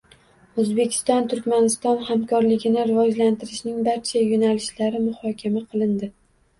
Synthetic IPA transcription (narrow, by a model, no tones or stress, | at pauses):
ɵzbe̞kʲʰɪ̥st̪ɒnt̪ʰʊɾkʲmanɪst̪ɒnhamkʰɒɾlɪɡʲɪnɪɾɪvɒd͡ʒlant̪ʰɪɾɪʃnɪŋbaɾt͡ʃʰajonalɪʃlaɾɪmʊhɒkʲʰamaqʰɨlˠɪnd̪ɪ